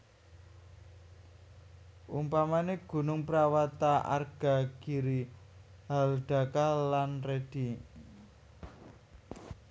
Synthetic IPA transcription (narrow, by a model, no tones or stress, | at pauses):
ʔumpamaneɡ̥ṳnʊŋpəɾawat̪aa̰rɡ̥a̤ɡ̥iɾi | ɦalɖ̥a̤kalanred̥i